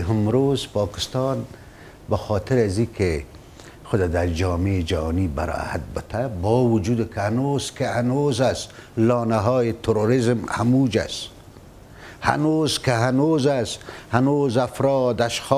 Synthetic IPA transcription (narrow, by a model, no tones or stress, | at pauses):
ɦɪmɾozpɑːkɪ̥st̪ɑn | baxɔːt̪ɪɾazikʰe | xʊd̪ad̪aɾd͡ʒɔːmed͡ʒahɑːniba̰ɾɔ̰ha̰t̪̚bɪt̪ʰabɔwʊd͡ʒuːd̪ɪkɪhanoz̥kɪhanozaslɑːnaɦɔːjɪt̪ʰʊɾoɾɪzmha̰mud͡ʒa̰s | ha̰nozkɪɦanozashanozafɾɔːd̪aʃxɔː